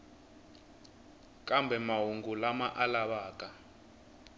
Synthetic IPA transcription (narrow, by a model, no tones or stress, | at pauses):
kʼambʱɛmaɦuŋɡulamaʔalaɓaːkʼa